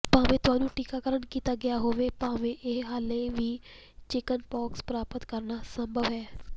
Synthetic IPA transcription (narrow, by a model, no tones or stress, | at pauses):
pãːʋẽːt̪ʊaːnũːʈiːkaːkəɾənkiːt̪aːɡɪjaːɦoːʋeːpãːʋẽːʔɪɦɦaːlẽːʋiː | t͡ʃɪkənpɔːkspɾaːpət̪kəɾnaːsə̃mbʱəʋɦɛː